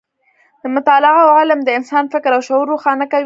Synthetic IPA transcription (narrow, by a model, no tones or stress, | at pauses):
d̪əmʊt̪ɑlɪawʕalamd̪əɪnsɑnfɪkɾawʃʊuɾːoxɑnakawi